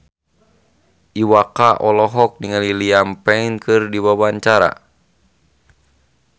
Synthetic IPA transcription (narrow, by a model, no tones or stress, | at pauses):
ʔiwakaʔɔlɔɦɔk̚niŋaliliampɛinkʰɨrdiwabaɲt͡ʃaɾa̰